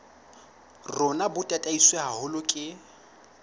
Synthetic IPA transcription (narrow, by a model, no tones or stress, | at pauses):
rʊnabʊtʼatʼaiswɛɦahʊlʊkʼɪ